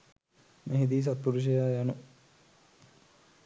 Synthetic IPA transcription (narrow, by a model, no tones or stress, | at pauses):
meɦid̪iːs̬at̪̚puɾuʃ̬ijaːjanu